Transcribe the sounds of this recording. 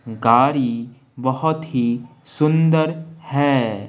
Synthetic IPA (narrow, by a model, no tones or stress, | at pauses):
ɡaːɾi | bɐɦʊt̪ɦi | sʊ̃nd̪əɾhɛː